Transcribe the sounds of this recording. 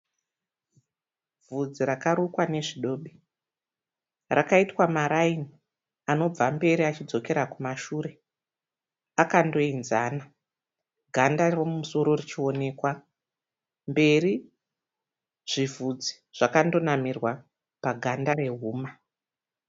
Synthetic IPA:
vud͡ziɾakaɾukwane̞ʐiɗo̞ːɓi | rakaitwamaɾaini | ano̞b͡vambe̞ɾiat͡ʃid͡zo̞ke̞ɾakumaʃuːɾe̞ | akando̞inzaːna | ɡʱandaromumuso̞ɾo̞rit͡ʃio̞ne̞ːkwa | mbe̞ri | ʐ̥ivud͡zi̥ | ʐ̥akando̞namirwa | paɡʱandaɾe̞ɦuːma

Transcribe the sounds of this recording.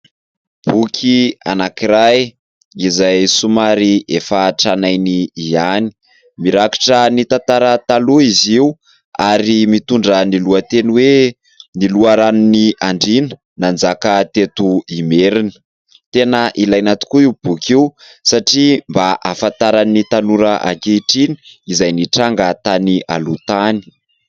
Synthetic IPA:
b̥ukʰia̰nakiɾaj | izajsumaɾiefaʈ͡ʂanajniːani̥ | miɾaki̥ʈ͡ʂənit̪ant̪aɾət̪aluiziu | aɾimit̪uɳɖ͡ʐəniluət̪eniwe | niluaɾanuniaɳɖ͡ʐinə̥ | nand͡zakət̪et̪uimeɾinə̥ | t̪enəʔilajnat̪u̥kuiub̥ukʰiu | saʈ͡ʂimbaʔafant̪aɾanit̪anuɾəʔa̰keʈ͡ʂini̥izajniʈ͡ʂaŋɡat̪aniʔa̰lut̪ani̥

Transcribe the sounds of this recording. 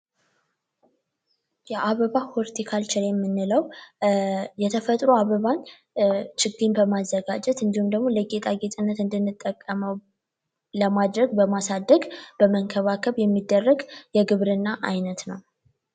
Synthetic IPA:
jɛʔaβəβahoɾt̪ʰikʰalt͡ʃʰɪɾjɛmːɨnːɨləw | jɛt̪ʰəfət̪ʼɾuaβəβan | t͡ʃɪɡinbəmazːəɡad͡ʒɛt̪ɨnd̪ihumd̪əɡmo̞ləɡet̪ʼaɡet̪ʼɨnːət̪ɨnd̪ɨnːɨt̪ʼːəkʼːəməw | ləmad̪ɾəɡbəmasad̪ːəɡb̥əməŋkʰəβakʰəβjɛmːid̪ːərːəɡjɛɡɨβɾɨnːaʔajnət̪nəw

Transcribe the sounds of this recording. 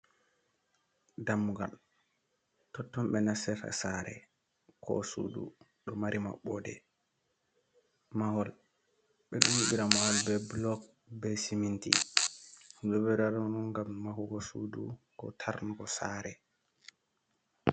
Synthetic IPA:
damːuɡa̰l | tɔtːɔmɓɛnasɛfa̰saɾɛ̰ | kʰɔ̰sṵdṵ | ɗɔmaɾima̰ɓɔdɛ̰ | mahɔl | ɓɛɗumuɓiɾamawɔlbɛblɔk̚ | bɛsimintḭ | hɗɔbɛɾaɗɔnunɡamːahuɡɔsudṵ | kɔ̰tʰaɾnɡɔsaɾɛ

